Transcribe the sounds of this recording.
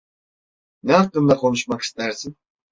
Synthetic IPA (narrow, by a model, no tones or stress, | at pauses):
nɛɑkt̪ːɯmd̪ɑqʰo̞nuʃmɑqi̥st̪æɾsin